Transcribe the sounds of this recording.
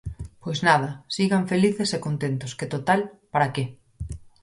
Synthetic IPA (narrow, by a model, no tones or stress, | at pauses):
pojznað̞ɐsiɣaɱfeliθesekont̪ent̪ʊsket̪ot̪alpaɾake